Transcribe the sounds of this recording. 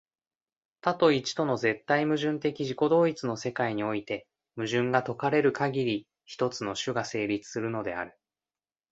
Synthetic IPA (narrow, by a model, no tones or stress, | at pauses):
t̪at̪o̞it͡ɕi̥t̪o̞no̞ze̞t̪ːaimɯ̟ʑɨ̃nt̪e̞kʲiʑiko̞d̪o̞ːit͡sɨno̞se̞kaiɲ̟io̞it̪e̞ | mɯ̟ʑɨ̃ŋɡat̪o̞kaɾe̞ɾɯ̟kaɡʲiɾʲi | çi̥t̪o̞t͡sɨno̞ɕɨɡase̞ːɾʲit͡sɨ̥sɨɾɯ̟no̞d̪e̞a̰ɾɯ̟